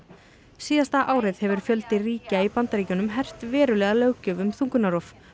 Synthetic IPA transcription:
siːðast̪aʔaːwɾɪðhɛvʏɾ̥fjœlt̪ɪriːcaipant̪aɾiːcʏnʏmɦɛr̥t̪vɛːɾʏlɛːɣalœɥcʏvʏmθuŋkʏnaɾɔf

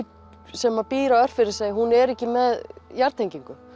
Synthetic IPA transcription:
sɛmapiːɾaœr̥t̪fɪɾɪɾ̥seːjhunɛɾɛhcɪmɛðjaɾt̪ʰːejɲciŋkʏ

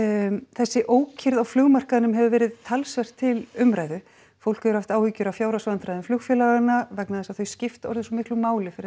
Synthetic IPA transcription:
θɛsːɪʔoːwcʰɪɾðawflʏɣmar̥kaðnʏmɦɛvʏvɛːɾɪðt̪ʰalsvɛr̥t̪ʰːɪlʏmɾaːjðʏ | fowl̥kʏʏɾ̥haft̪aːwhiːcʏɾawfjaːwɾasvant̪ɾajðʏmflʏɣfjɛlaɣanavɛknaðɛsaðθœɥscɪft̪ɔ̰ɾðʏsɔmɪhklʏmaːwlɪfɪɾɪ

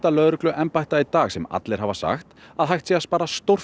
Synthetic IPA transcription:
t̪alœːðɾʏklʏʔɛmpajht̪ait̪aːɣsɛma̰t̪lejɾ̥havasa̰xt̪aðɦajht̪siaspaːɾast̪owr̥

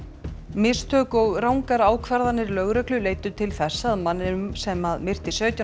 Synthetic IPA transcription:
mɪst̪ʰœːkɔɣraːwŋkaɾaːwkʰvɛɾðanːɪɾlœɣɾɛklʏleːjt̪ʏt̪ʰɪlθɛsːaːðmanːɪnʏmsɛmːaðmɪr̥t̪isœːt̪ja

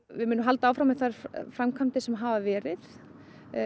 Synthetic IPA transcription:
vɪmɪnːʏmɦalt̪aawfɾamɛθaɾ̥fɾamkʰamt̪ɪsɛmɦaːvavɛːɾɪθ

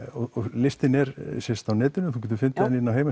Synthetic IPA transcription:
ɔɔɣlɪst̪ɪnɛɾsjɛst̪awnɛːt̪ʏnʏθucɛːt̪ʏ̥ɾfɪnt̪ɪɛnːɪnːawɦeːjma

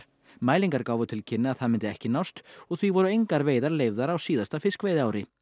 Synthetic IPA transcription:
maːjliŋkaɾkaːwvʏt̪ʰɪlcʰɪnːɪaðθaðmɪnt̪ɪɛhcɪnawst̪ɔɣθvivɔɾʏejŋkaɾveːjðaɾleːjvðaɾawsiːðast̪afɪskvejðɪaːwɾɪ

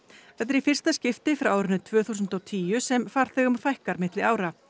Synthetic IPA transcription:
θɛt̪ɛɾifɪrst̪ascɪft̪ɪfɾawaːwɾɪnʏt̪ʰvœːθuːs̬ʏnt̪ɔwt̪ʰiːjʏsɛmfaːɾ̥θɛːɣʏmfajhkaɾmɪht̪lɪaːwɾa

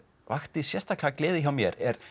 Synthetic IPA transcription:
vaxt̪ɪsjɛst̪ḁklaklɪːðɪçawmjɛɾɛɾ̥

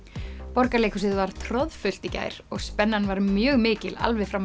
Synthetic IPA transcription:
pɔɾkaleːkʰʏsɪðvaɾ̥t̪ʰɾɔðfʏl̥t̪ica̰ːjɾ̥ɔɣspɛnːanvaɾmjœːɣmɪːcɪla̰lvɛfɾam

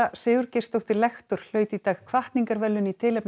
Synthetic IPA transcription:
asɪːɣʏɾcest̪owht̪ɪlɛxt̪ʏɾ̥l̥œːɥt̪it̪aːxkʰvaht̪niŋkaɾvɛlːʏnit̪ʰɪːlɛpn

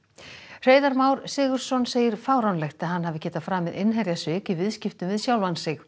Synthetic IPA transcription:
r̥eːjðaɾmaːwɾsɪːɣʏɾ̥sɔnseːjɪɾ̥faːwɾawnlɛxt̪aðɦanːhɦavɪcɛːt̪afɾaːmɪðɪnɦɛɾjasʏːkɪvɪðscɪft̪ʏmvɪðsjawlvansɪx

